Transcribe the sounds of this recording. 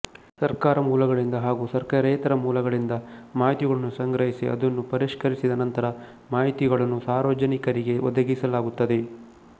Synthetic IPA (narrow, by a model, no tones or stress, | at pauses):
sɐɾkaːɾɐmuːlɐɡɐɭind̪ɐɦaːɡusɐɾkɐɾɛjt̪ɐɾɐmuːlɐɡɐɭind̪ɐmaːɦit̪iɡɐɭɐnːusɐŋɡɾɐɦisiɐ̰d̪ɐnːupɐɾiʂkɐɾisid̪ɐnɐnt̪ɐɾɐ | maːɦit̪iɡɐɭɐnːusaːɾʋɐd͡ʒɐnikɐɾiɡe̞ʔɔ̰d̪ɐɡisɐlaːɡut̪ːɐd̪e̞